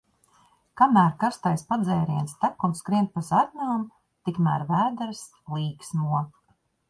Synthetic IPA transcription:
kamæːɾkaɾst̪ajspad̪zɛjɾiɛnst̪ækunskɾiɛnt̪̚pazad̪ʲnʲum | t̪ikmæ̰ːɾvæːd̪aɾs | lˠiːksnuɔ

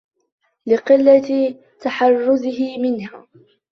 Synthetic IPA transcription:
lɪqɪlːat̪ | t̪aħɑrˤːʊzɪhɪmɪnhaː

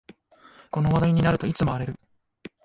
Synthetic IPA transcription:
ko̞no̞βad̪aiɲ̟inaɾɯ̟t̪o̞it͡sɨmo̞aɾe̞ɾɯ̟

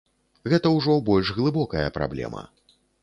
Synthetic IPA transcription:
ɣɛt̪ɐwʐɔbɔlʲʐɣlˠɨbɔkɐjɐpɾa̰blʲɛ̰mɐ̰

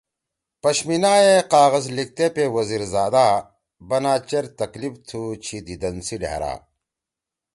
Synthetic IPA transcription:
pɐɕminaːeqaːɣɐzlik̚t̪epewɐziːɾzaːd̪aː | bɐnaːt͡ɕɐɾt̪ɐklibt̪ʰut͡ɕʰid̪id̪ɐnsiɖa̰ːɾa̰ː

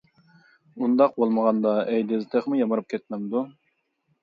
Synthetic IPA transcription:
und̪ɑq̚bolˠməʁɑnd̪ɑɛjd̪ɪzt̪ʰeχmujɑmɨɾɨp̚kʲʰɛt̪̚mæmd̪u

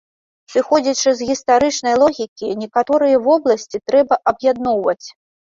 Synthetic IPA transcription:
sɨxɔd͡zʲɐt͡ʂɨzɣʲist̪aɾɨt͡ʂnɐjlˠɔɣʲikʲinʲɛkat̪ɔɾɨjɐvɔblˠɐsʲt͡sʲit̪ɾɛbɐʔɐbjad̪̚nɔwvɐt͡sʲ

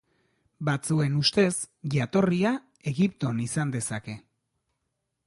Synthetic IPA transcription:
bat͡sue̞nust̪e̞s | ʝat̪o̞ria | e̞ɣipt̪o̞nisand̪e̞sake̞

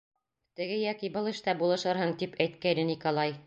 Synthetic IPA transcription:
t̪ɘ̆ɡɘjɒkibɤlˠɘ̆ʃt̪ɑbulˠɤ̆ʃɤɾhɤŋt̪ipʰæjt̪̚kæjnɘnikolˠɑj

